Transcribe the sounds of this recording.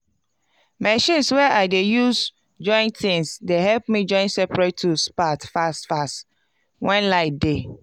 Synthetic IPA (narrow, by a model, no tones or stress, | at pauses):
mɛʃĩnswɛʔaɪdejuz | d͡ʒɔ̃ɪ̃ntʰĩŋsdehɛlp̚mid͡ʒɔ̃ɪ̃nsɛpɹetʰːuspatfastfast | wɛ̃nlaɪde